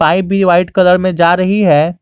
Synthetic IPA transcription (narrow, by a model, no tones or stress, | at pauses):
aːibʱiʋaːɪʈkɐləɾmẽd͡ʒaːɾɐɦiɦɛː